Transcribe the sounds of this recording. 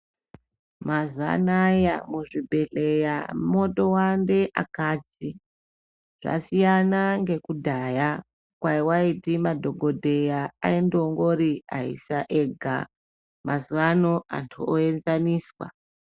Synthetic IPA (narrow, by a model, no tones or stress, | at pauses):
maza̰naja̰muʐibʱe̞ɬejamo̞to̞wande̞ʔa̰kaːd͡zi | ʐ̥a̰sijanaŋɡe̞kudʱaja | kwaiwaitimadʱoɡʱo̞dʱe̞jaa̰indoŋɡo̞ɾiaɦḭsaʔeɡʱa̰ | mazuanoa̰ntʰuoenzaniːswa̰